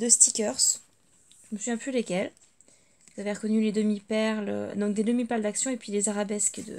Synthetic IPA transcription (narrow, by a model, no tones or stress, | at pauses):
d̪əst̪ikʲœʁs | ʒəməsyvjɛ̃plylekʲɛl | vuzavɛʁəkɔnyled̪əmipɛʁlø̰d̪ɔ̃k̚d̪ed̪əmipɛʁld̪aksjɔ̃epɥilezaʁabɛskd̪ə̰